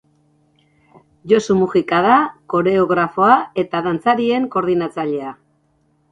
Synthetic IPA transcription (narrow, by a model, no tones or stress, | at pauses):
ʝo̞sumuɣikaðako̞ɾe̞oɣɾafo̞ae̞t̪aðant͡saɾie̞ŋko̞ɾðinat͡saʎe̞a